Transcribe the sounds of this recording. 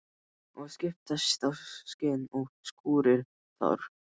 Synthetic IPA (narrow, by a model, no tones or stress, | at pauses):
ɔɣscɪft̪ast̪awscɪnɔɣskuːɾɪɾ̥ | θa̰ɾ̥